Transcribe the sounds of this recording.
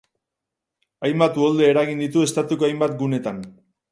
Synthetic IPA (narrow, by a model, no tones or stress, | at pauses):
ajmbat̪uold̪e̞ːɾaɣind̪it̪ue̞st̪at̪ukoajmbat̪ɡune̞t̪an